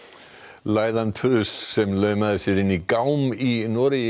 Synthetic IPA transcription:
laːjðanpʰʏsːɛmlœɥmaðɪsɪɾɪnːikawminɔːɾɪ

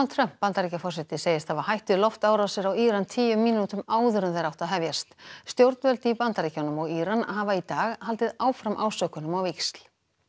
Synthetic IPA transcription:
alt̪ʰɾœm̥ppːant̪aɾicafɔrsɛt̪ɪseːjɪst̪θavaɦajht̪ʏlɔft̪aːwɾasɛɾawiːɾant̪ʰiːjʏmːiːnut̪ʏmaːwðʏɾʏmθejɾawht̪aðɦɛvjast̪st̪jowɾt̪nvɛlt̪ɪipant̪aɾicanʏmɔɣiːɾanahavait̪aːɣhalt̪ɪðaːwfɾamʔa̰ːwsœkʏnʏmawvekst̪l̥

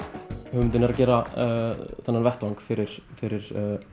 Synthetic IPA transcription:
hʏmʏnt̪̬ːɪnɛɾacɛːɾa | θɛnːanvɛht̪vaŋkfɪɾɪɾ̥fɪɾɪɾ̥

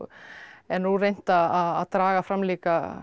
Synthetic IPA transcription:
ɛnuːɾejn̥t̪aaaðt̪ɾaːɣafɾamːliːka

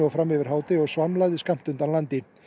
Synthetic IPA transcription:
ɔɣfɾamːɪvɪɾ̥ɦaːwt̪ɪɔɣsvaɾmlaɣðɪskam̥t̪ʏnt̪anlant̪ɪ

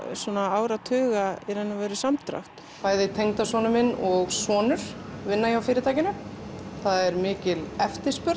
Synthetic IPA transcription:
sɔːnaaːwɾat̪ʰʏːɣaɛɾɛnːavɛːɾɪsamt̪ɾa̰ft̪ | paːjðɪt̪ʰejŋt̪asvɔːnʏmɪnɔɣsvɔːnʏɾ̥vɪnːajawfɪːɾɪt̪ʰaːjcɪnʏθaðɛɾmɪːcɪlɛft̪ɪ̥spʏɾ

